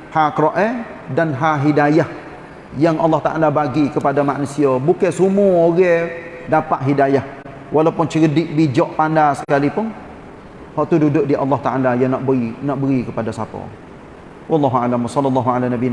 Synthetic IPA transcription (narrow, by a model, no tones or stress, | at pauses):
hakɾɔʔɛ | danɦaɦidajah | jaŋʔa̰lːɑht̪aʔalabaɡikəpadamaʔnusiɔbukɛsumuoɣɛdapaʔɦidajah | walawpʊnt͡ʃəɡədɪʔbid͡ʒɔʔpandasə̥kalipʊn | hɔʔt̪ududʊʔdiʔa̰lːɔht̪aʔalajaŋnaʔbinaʔbəɾikəpadasapɔ̰ | wɑlːɑɦualamwasɔlːɔlːaɦualanabi